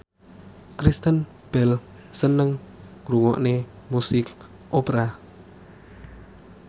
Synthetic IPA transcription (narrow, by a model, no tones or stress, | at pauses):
kɾist̪ən | b̥ɛl | sənəŋːɾuŋɔʔne | musɪk | ʔopɾa